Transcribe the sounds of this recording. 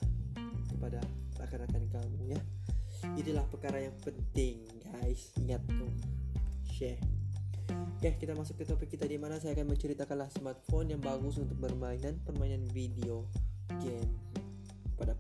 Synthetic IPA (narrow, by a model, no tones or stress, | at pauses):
kəpadaakanakankamuja | it̪ulahpərkaɾajaŋpənt̪ɪŋ | ɡaɪsiŋat̪ːu | ʃɛh | kahkit̪amasʊk̚t̪it̪opɪkːit̪adimanasajaːkanməɲt͡ʃəɾit̪akanlahsəmart̪̚fonjaŋbaɡʊsunt̪ʊk̚bərmainanpərmainanfideoɡɛn | kəpada